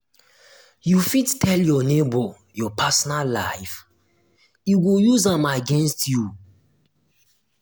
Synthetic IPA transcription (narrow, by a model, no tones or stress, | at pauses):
jufidtʰɛljɔnebɔ | jɔpʰasɔnallaɪf | iwijuzãmaɡɛ̃nstju